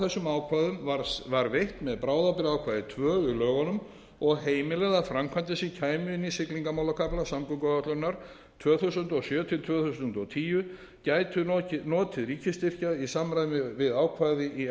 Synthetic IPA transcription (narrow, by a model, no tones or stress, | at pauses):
θɛsːʏmaːwkʰvaːðʏmvaɾvaɾvejht̪mɛðpɾaːwðapɪɾaːwkʰvaːðɪt̪ʰvœːʏlœːɣanʏm | ɔɣɦeːjmɪlɛɣðafɾamkʰvant̪ɪsicʰaːjmʏɪnːisɪkliŋkamawlakʰaplasamkʏŋkɔat̪lœnaɾ̥ | t̪ʰv̥œːθusʏnt̪ɔɣsjœːt̪ʰɪlt̪ʰv̥œːθus̬ʏnnt̪ɔɣt̪ʰiːjʏ | caːjt̪ʰʏɔnɔːt̪ʰɪðɾiːcɪst̪ɪr̥caisamɾajðmɪvɪðaːwkʰvaðɪʔi